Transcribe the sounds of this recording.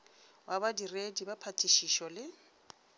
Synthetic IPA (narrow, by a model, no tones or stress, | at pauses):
wʔabadiredibapʰatʰʼiʃiʃɔlɪ